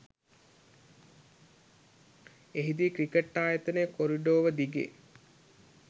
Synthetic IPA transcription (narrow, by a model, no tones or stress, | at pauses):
eɦid̪iːkɾikəʈːaːjət̪ənəjkoɾiɖoːʋəd̪iɡḛː